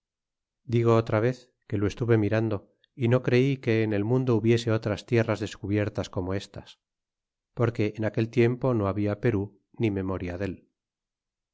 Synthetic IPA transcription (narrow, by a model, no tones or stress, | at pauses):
d̪iɣo̞ot̪ɾaβ̞e̞θ | ke̞loe̞st̪uβe̞miɾand̪o̞ | ino̞kɾe̞ike̞ːne̞lmũnd̪o̞uβje̞se̞o̞t̪ɾast̪je̞razðe̞skuβje̞ɾt̪asko̞mo̞e̞st̪as | po̞ɾke̞ʔːnake̞lt̪je̞mpo̞no̞aβiape̞ɾu | nime̞mo̞ɾjaðe̞l